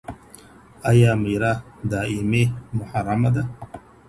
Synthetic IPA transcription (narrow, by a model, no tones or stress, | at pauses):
ajamijɾad̪aːimemʊħaɾˤamad̪a